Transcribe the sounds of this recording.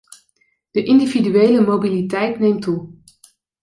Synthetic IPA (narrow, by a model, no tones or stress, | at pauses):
d̥əʔɪndividyejləmowbilitɛjtnejmtu